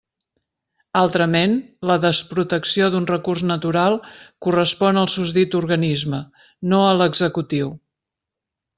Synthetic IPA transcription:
alˠt̪ɾəmenləðəspɾut̪əksioðunrəkurznət̪uɾalˠkurəspɔnəlˠsuzt̪it̪uɾɣənizmə | noələɡzəkut̪iw

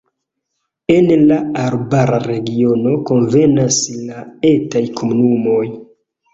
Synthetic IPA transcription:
e̞nlaaɾbaɾaɾe̞ɡio̞no̞ko̞nve̞naslaetajkʰomunumo̞j

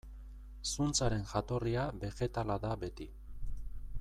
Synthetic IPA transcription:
sunt͡saɾe̞nʝat̪o̞riaβe̞xe̞t̪alaðaβe̞t̪i

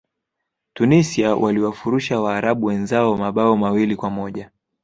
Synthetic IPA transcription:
tunisiawʔaliwafuɾuʃawaːɾaɓuwɛnzaɔmaɓaɔmawilikwamɔʄa

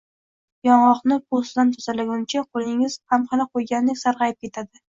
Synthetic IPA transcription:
jɒɴɒqnɪpʰosd̪ant̪ʰʊzalaɡʲʊnt͡ʃʰaqʰolˠɪŋɪz̥hamχɑnaqʰojɡʲand̪ɪkʲsaɾʁɑjɪp̚kʲʰe̞t̪ʰad̪ɪ

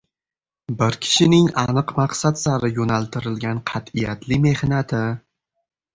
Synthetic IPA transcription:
bɪɾkʲʰɪ̥ʃɪnɪŋanɨqmɑqsat̪saɾɪjonalˠt̪ʰɪɾɪlɡʲanqʰɑt̪ɪjat̪ʰlɪme̞hnat̪ʰɪ

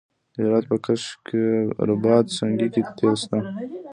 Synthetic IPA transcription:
d̪eɾat̪̚pəkaʃkeɾʊbɑd̪saŋɡikit̪ʰest̪a

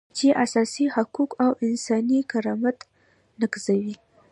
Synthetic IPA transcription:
t͡ʃeʔasɑsihakukawɪnsɑnikaɾɑmat̪ | nəkzawi

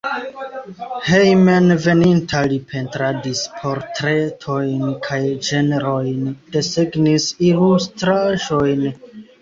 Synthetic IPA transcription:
hejmenve̞nintʰalipʰe̞ntɾadispʰo̞ɾtɾe̞tʰo̞jnkʰajd͡ʒe̞neɾojnd̥e̞seɡnisilustɾaʒo̞jn

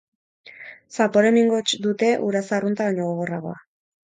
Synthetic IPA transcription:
sapo̞ɾe̞miŋɡo̞t͡ʃd̪ut̪e̞ʔuɾasarunt̪aβaɲo̞ɣ̞oɣ̞o̞raɣ̞o̞̰a

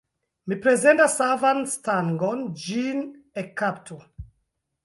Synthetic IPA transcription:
mipɹɛzɛ̃ntasavãnstãnɡɔ̃nd͡ʒĩn | ɛkʰːaptʰu

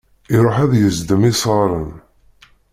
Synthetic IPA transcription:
iɾˤoħæðjəzd̪əmisˤəɾˤən

